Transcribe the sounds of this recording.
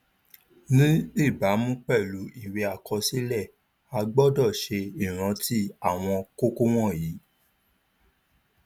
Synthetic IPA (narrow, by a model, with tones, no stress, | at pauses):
nĩ˦i˦˨ba˨˦mũ˦k͡pɛ˦˨lu˨˦i˦˨we˧˦a˨kɔ˧si˦lɛ˦˨ | a˧ɡ͡bɔ˦dɔ˦˨ʃe˧i˦˨ɾ̃ã˨˧˦ti˦a˦˨w̃ɔ̃˧ko˦ko˦w̃ɔ̃˦˨ji˨˦